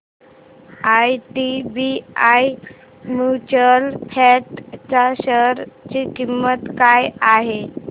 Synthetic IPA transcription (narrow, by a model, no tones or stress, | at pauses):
ajʈibiaj | mjut͡ɕəlhʰɛʈt͡saɕəɾt͡ɕikimːət̪kajaɦe